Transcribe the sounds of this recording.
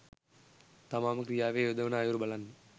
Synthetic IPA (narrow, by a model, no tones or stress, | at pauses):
t̪ɐmaːmɐkɾɪjaːʋeːod̪ɐʋɐnaːjuɾbɐlɐn